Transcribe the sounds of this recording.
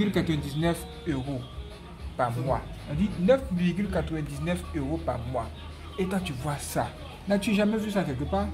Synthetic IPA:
ɡiɾkatɛntisnɛf | eɡo | pamwa | adinɛfiɡiɾkatwɛ̃ntisnɛfeɡopamwa | etat͡ʃivwasa̰ | nat͡ʃiʒamezusakeɡipa

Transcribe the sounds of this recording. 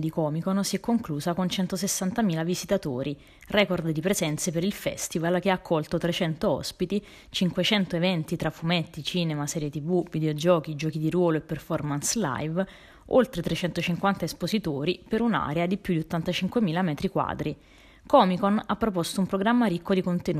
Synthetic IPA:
d̪ikɔːmikonsiɛkːoŋkluːzakont͡ʃɛnt̪osesːant̪amiːlavizit̪at̪oːɾi | rɛːkord̪d̪ipɾezɛnt̪sepeɾilfɛ̰st̪ivalk̟eakʰːɔlt̪ot̪ɾet͡ʃɛnt̪oɔ̰spit̪i | t͡ʃiŋkwet͡ʃɛnt̪oevɛnt̪it̪ɾafːumɛt̪ːit͡ʃiːnemasɛːɾjet̪ivuvid̪eod͡ʒɔːk̟id͡ʒɔːkid̪iɾwɔːloepːerfɔrmansla̰jv | olt̪ɾet̪ɾet͡ʃɛnt̪ot͡ʃiŋkwant̪aespozit̪oːɾipeɾuna̰ːɾead̪ipjud̪iot̪ːant̪at͡ʃiŋkwemiːlamɛːt̪ɾikwa̰ːd̪ɾi | kɔmikonapːɾopɔst̪oumpɾoɡɾamːaɾikʰːod̪ikont̪enu

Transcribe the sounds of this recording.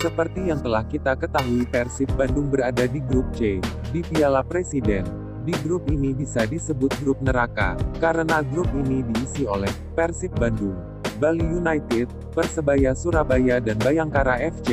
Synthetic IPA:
səpərt̪ijaŋt̪əlahkit̪akət̪aɦuipɛrsɪt̪̚bandʊŋbəɾadadiɡɾup̚t͡ʃe | dipialapɾesidɛn | diɡɾʊp̚inibisadisəbʊt̪̚ɡɾʊp̚nəɾaka̰kaɾənaɡɾʊp̚inidiːsiolɛh | pɛrsɪt̪̚bandʊŋ | balijunajt̪ɪt̪̚ | pərsəbajasuɾabajadanbajaŋkaɾaʔɛft͡ʃe

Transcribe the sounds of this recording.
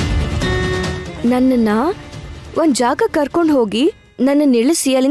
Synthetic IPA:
nɐnːɐnːɐ | ʔond̪d͡ʒaːɡɐkɐɾkoɳɖɦo̞ːɡi | nɐnːɐniɭisijɐli

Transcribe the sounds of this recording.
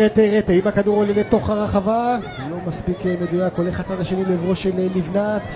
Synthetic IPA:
et̪eʁet̪eimakaduʁolelet̪o̞χhaʁaχava | lo̞maspikened̪ujakoleχat͡sadaʃenilevʁoʃelelivnat

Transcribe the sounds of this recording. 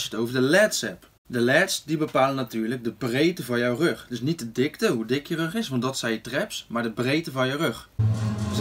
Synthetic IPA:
sətowvəɹdəlɛːtsɛp | dəlɛːtsdibəpaːlənatyːɹlək̚dəbrejtəvɑnjɔwrøχdɵsnitədɪktəɦudɪkjərøχɪsʋɑntdɔtsɛjətrɛpsmaːɹdəbrejtəvɑnjɔwrøχ

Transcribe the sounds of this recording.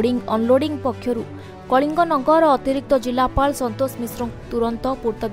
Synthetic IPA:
ɽiŋɡɔ̰nloɽiŋpɔkʰːjɔɾu | kɔɭiŋɡɔnɔŋɡɔɾɔːt̪iɾik̚t̪ɔd͡ʒilapaɭsɔnt̪osmisɾɔt̪uɾɔnt̪ɔpuɾt̪ɔb̪

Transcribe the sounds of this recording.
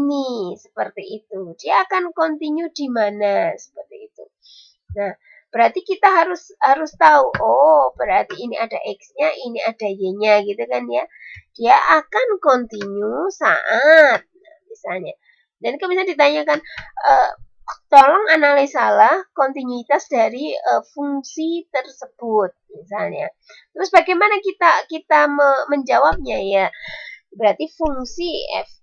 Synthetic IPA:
inisə̥pərt̪iːt̪ud̥iaːkankont̪iɲudimanasə̥pərt̪iːt̪u | nah | b̥əɾart̪ikit̪aɦaɾʊshaɾʊst̪auʔob̥əɾart̪iːniadaʔɛksɲaʔiniadad͡ʒeɲaɡit̪ukanjad̥iaʔakankɔnt̪iɲusa̰ʔat̪̚nahmisalɲa | dankəmis̬aɲdit̪̬aɲakanʔə | t̪ɔlɔŋanalisalahkɔnt̪inuit̪asdaɾiəfuŋsit̪ərsəb̥ʊt̪̚misalɲa̰ | t̪ɾʊsbaɡajmanakit̪akit̪aməməɲd͡ʒawap̚ɲaja | bəɾart̪ifuŋsiɛ̰f

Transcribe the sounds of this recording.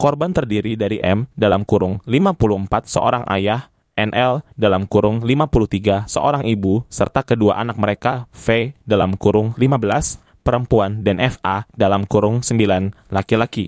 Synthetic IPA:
kɔrbant̪ərdiɾidaɾiʔɛmdalamkuɾʊŋlimapuluəmpat̪̚səʔo̰ɾaŋʔa̰jah | ʔɛnʔɛldalamkuɾʊŋlimapuluht̪iɡasəʔo̰ɾaŋibusə̰rt̪akəduaʔanak̚məɾekafedalamkuɾʊŋlimabəlas | pəɾəmpuandanʔɛfadalamkuɾʊŋsəmbilan | lakilaki

